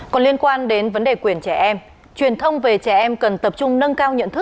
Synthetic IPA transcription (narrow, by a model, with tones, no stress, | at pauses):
kɔ˨˩nli˧ənkwaː˧nɗe˨˦nvə˨˦nɗe˨˩kwi˨˩ənt͡ɕɛ˧˩ʔɛ˧m | t͡ɕwi˨˩ənt̪ʰə˧wŋ͡mve˨˩t͡ɕɛ˧˩ʔɛ˧mkə˨˩nt̪ə˨˩p̚t͡ɕʊ˧ŋ͡mnə˧nkaː˧wɲə̰˧˨nt̪ɨ˦˥k̚